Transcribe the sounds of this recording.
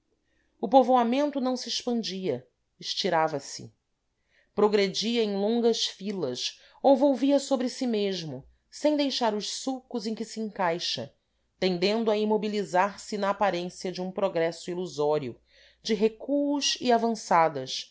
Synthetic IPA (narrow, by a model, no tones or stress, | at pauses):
ʊpovoamẽnt̪ʊnɐ̃w̃siɪʃpɐ̃nd͡ʒiɐ | ɪʃt͡ʃiɾavɐsɪ̰ | pɾoɡɾed͡ʒiɐẽj̃lõŋɡɐʃfilɐʃ | ovowviɐsobɾɪsimeʒmʊ | sẽj̃d̪ejʃaɾʊʃsukʊzẽj̃kɪsiẽŋkajʃɐ̰ | t̪ẽnd̪ẽnd̪ʊɐimobilizaɾsɪnɐːpaɾẽsiɐd͡ʒɪũpɾoɡɾɛsʊiluzɔɾiʊ̰ | d͡ʒɪɦekuuʃiavɐ̃sad̪ɐʃ